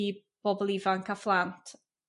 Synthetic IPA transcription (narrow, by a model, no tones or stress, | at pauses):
i | b̥ɔbɔlˠivaŋkʰaflantʰ